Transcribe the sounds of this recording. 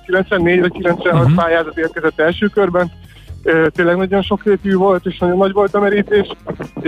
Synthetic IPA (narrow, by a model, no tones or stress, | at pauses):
kilɛnt̪sʋɛnːeːɟvɒckilɛnt̪sʋɛnɦɒt̪paːjaːzɒt̪eːrkɛzɛt̪ːɛlʃøːkørbɛn | øt̪eːnlɛɡnɒɟo̞nʃo̞kreːt̪jyːvo̞lt̪eːʃnɒɟo̞nːɒɟvo̞lt̪ɒmɛɾiːt̪eːʃ